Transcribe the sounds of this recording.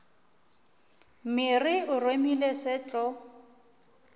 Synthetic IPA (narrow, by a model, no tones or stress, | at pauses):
mɪrɪʊremilesɪt͡ɬʼɔ